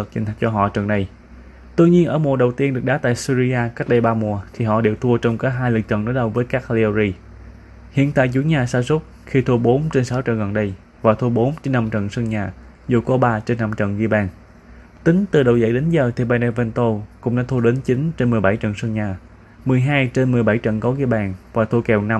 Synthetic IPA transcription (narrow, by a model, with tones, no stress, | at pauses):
ə˨˩k̚t͡ɕï˨˩ŋ̟ʰa˨˩˥k̚t͡ɕɔ˧ɦɔ̰˧˨t͡ɕə̰˨˩nɗə˧j | t̪u˧ɲi˧ənʔə̰ː˧˩mu˨˩əɗə˨˩wt̪i˧ənɗɨ˨˩ək̚ɗaː˨˦t̪a̰ː˧˨jsi˧zi˧aː˧kaː˦˥k̚ɗə˧jɓaː˧mu˨˩ət̪ʰi˨˩ɦɔ̰˧˨ɗe˧˩wt̪ʰu˧ət͡ɕɔ˧wŋ͡mkaː˨˦ɦaː˧jlɨ˨˩k̚t͡ɕə̰˧˨nɗəː˨˦jɗə˧wvəː˨˦jkaː˦˥k̚li˧o˧zi˧ | hḭ˧˨ənt̪a̰ː˧˨jzu˧˩˦ɲaː˨˩saː˧sʊ˦˥k͡p̚ | xi˧t̪ʰu˧əɓo˨˦nt͡ɕe˧nsa˨˦wt͡ɕə̰˧˩nɣə˨˩nɗə˧j | vaː˨˩t̪ʰu˧əɓo˨˦nt͡ɕe˧nːa˧mt͡ɕə̰˧˨nsə˧ŋɲaː˨˩ | zu˨˩kɔ˨˦ɓaː˧t͡ɕe˧nːa˧mt͡ɕə̰˧˨nɣi˧ɓaː˨˩n | t̪ï˨˦ŋ̟t̪ɨ˨˩ɗə˨˩wzə̰˧˩jɗe˨˦nzəː˨˩t̪ʰi˨˩ɓaː˧˩nɛ˧vɛ˧nt̪o˧kʊ̰˧˥ŋ͡mɗaː˧˦˥t̪ʰu˧əɗe˨˦nt͡ɕi˨˦ŋt͡ɕe˧nmɨ˨˩əjɓa˧˩jt͡ɕə̰˧˨nsə˧ŋɲaː˨˩ | mɨ˨˩əjɦaː˧jt͡ɕe˧nmɨ˨˩əjɓa˧˩jt͡ɕə̰˧˨nkɔ˨˦ɣi˧əɓaː˨˩nvaː˨˩t̪ʰu˧əkɛ˨˩wna˧m